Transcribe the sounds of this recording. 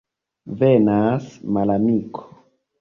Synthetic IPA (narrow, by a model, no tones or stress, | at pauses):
venasmalamikʰo̥